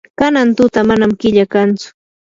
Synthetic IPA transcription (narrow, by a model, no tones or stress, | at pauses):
kanant̪ʊt̪amanamkɪʎakant͡sʊ̥